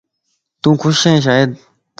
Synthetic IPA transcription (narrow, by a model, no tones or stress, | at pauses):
t̪ũkʰuɕẽɕ̬ae